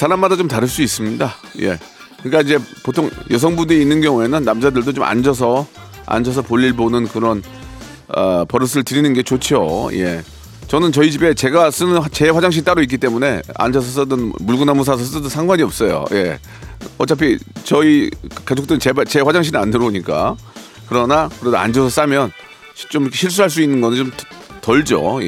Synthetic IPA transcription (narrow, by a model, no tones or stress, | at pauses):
sʰaɾamadat͡ɕomtaɾɯɭs͈uis͈ɯmɲidaje̞̰ | kɯnɲik͈aid͡ʑe̞potʰoŋjʌs̬ʰʌŋbudɯiːnːɯnɡjʌŋue̞nɯnːamd͡ʑadɯɭdot͡ɕomʔa̰nd͡ʑʌs̬ʰʌ | a̰nd͡ʑʌs̬ʰʌpoʎːiɭbonɯnkɯɾʌn | ʌpʌɾɯs̬ʰɯɭtɯɾinɯnɡe̞t͡ɕot͡ɕʰoje̞̰ | t͡ɕʌnɯnt͡ɕʌit͡ɕibe̞t͡ɕe̞ɡas͈ɯnɯnt͡ɕe̞ɸwad͡ʑaŋɕ̬ʰit͈aɾoik͈it͈e̞mune̞a̰nd͡ʑʌs̬ʰʌs͈ɯdɯnmuɭɡunamus̬ʰas̬ʰʌs͈ɯdɯnsʰaŋɡwaɲiʌp̚s͈ʌjo̰je̞̰ | ʌt͡ɕ͈apʰit͡ɕʌikad͡ʑʰok̚t͈eɯt͡ɕebat͡ɕe̞ɸwad͡ʑaŋɕʰinɯandɯɾboɲik͈a̰ | kɯɾʌnakɯɾedoa̰nd͡ʑʌsʰʌs͈amjʌn | ɕt͡ɕ͈omikeɕʰiɭs̬͈uɾɦaɭs̬͈uinːɯnɡʌnɯnt͡ɕom | tʌɭd͡ʑo̰j